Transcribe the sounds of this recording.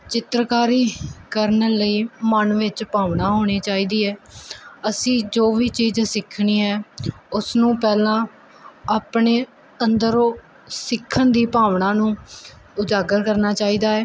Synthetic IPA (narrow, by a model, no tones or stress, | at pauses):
t͡ʃɪt̪ɾəkaːɾiːkəɾnələiːmənʋɪt͡ʃpaːʋɳaːɦoːɽ̃iːt͡ʃaːiːd̪iːɛːəsĩːd͡ʒoːʋiːt͡ʃiːd͡ʒsɪkʰɳiːɦɛːʊsnũːpɛːlãː | aːpɳeː | ənd̪əɾoː | sɪkʰːənd̪iːpaːʋɳãːnũː | ʊd͡ʒaːɡəɾkəɾnaːt͡ʃaːiːd̪aːɛː